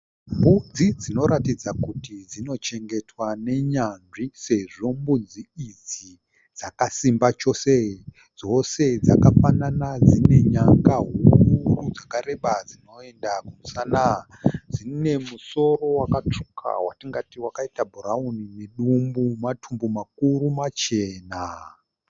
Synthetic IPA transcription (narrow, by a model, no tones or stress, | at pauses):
mbund͡zid͡zino̞ɾatid͡zakutid͡zino̞t͡ʃe̞ŋɡe̞twane̞ɲanʐise̞ʐo̞mbund͡ziːd͡zi | d͡zakasimbat͡ʃo̞se | d͡zo̞se̞d͡zakafananad͡zine̞ɲaŋɡaɦurud͡zakaɾe̞ɓad͡zino̞e̞ndakumusana | d͡zine̞muso̞ro̞wakat͡ʂu̥kʰa̰watiŋɡatiwakaitabʱuɾaunine̞ɗumbumatʰumbumakuɾumat͡ʃe̞ːna